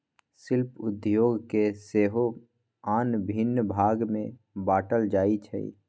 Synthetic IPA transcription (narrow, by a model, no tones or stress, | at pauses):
sɪlpʊd̪joːɡkeseːɦo | aːnbʱɪnːbʱaːɡmẽ | baːʈəld͡ʒaːit͡ʃʰɛ̰ḭ